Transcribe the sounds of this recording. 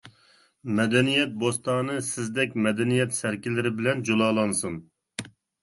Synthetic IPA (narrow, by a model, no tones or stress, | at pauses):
mɛd̪ɛnijɛt̪̚bost̪ɑːnɨsɪzd̪ɛkʲmɛd̪ɛnijɛt̪sæɾkʲilːɪɾɪbɪlɛnd͡ʒolˠɑːlˠɑnsun